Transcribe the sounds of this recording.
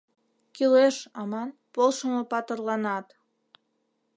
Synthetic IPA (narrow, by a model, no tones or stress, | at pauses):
kileʃɑmɑnpolˠʃə̆mɤ̆pɑt̪ɤ̆rlˠɑnɑt̪